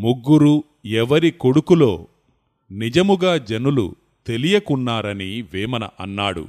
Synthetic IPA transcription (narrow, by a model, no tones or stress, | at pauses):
muɡːuɾu | ɛʋɐɾiko̞ɽukulo̞ː | nid͡ʒɐmuɡaːd͡ʒɐnulṵ | t̪e̞lijɐkunːaːɾɐniʋɛːmɐnɐʔɐnːaːɽṵ